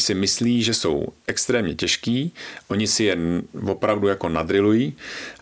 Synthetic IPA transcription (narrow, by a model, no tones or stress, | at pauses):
sɪmɪsliːʒɛso̞̰wʔɛkst̪ɾɛːmɲɛcɛʃkiːʔo̞ɲɪsɪjɛvo̞pɾavdujako̞nad̪ɾɪlujiː